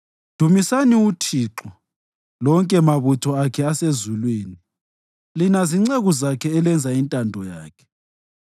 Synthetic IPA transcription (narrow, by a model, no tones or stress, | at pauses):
d̥ʱumisaniutʰiːǁɔ | lɔŋkʼɛmaβutʰɔakʰɛasezulweːni | linaziŋ͡ǀeɣuzakʰɛːlɛnd͡zʱaintʼandʱɔjaːkʰɛ̥